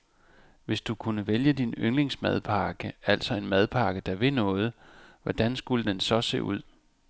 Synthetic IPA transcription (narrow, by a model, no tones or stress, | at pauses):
ʋe̝sd̥ukʰunəʋeljəd̥inøŋle̝ŋsmæðˠpʰɑ̈ːɡ̥əæl̰sɒ̽e̝nmæð̞ˠpʰɑ̈ːɡ̥əd̥ɑʋe̝nɔ̽ːð̞̩ˠʋɒd̥ænsɡ̥uləd̥ensɒ̽se̝̰ːuð̞̰ˠ